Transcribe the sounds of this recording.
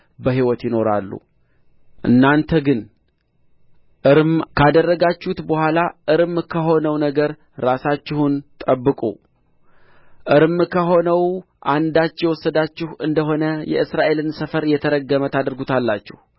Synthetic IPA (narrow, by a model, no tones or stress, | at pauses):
bəɦiwɔt̪jɪno̞ɾa̰lːṵ | ʔɨ̰nːant̪ʰəɡɨn | ʔɨɾmkʰad̪ərːəɡat͡ʃːut̪bəhʷalaʔɨɾmkʰəɦo̞nəwnəɡəɾː | asat͡ʃːɪhunt̪ʼəbːɨkʼṵ | ʔɨɾmkʰəɦo̞nəw | ʔand̪at͡ʃːɛwɔsːəd̪at͡ʃːɪhʔɨnd̪əɦo̞nəjɛ̰ʔɨsɾaʔe̞lɨnsəfəɾjɛt̪ʰəɾəɡəmət̪ʰad̪ɾɡut̪ʰalːat͡ʃːɪh